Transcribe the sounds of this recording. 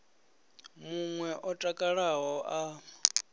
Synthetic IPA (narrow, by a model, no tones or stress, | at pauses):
muŋwɛʔɔtʼakʼaɺaɦɔʔa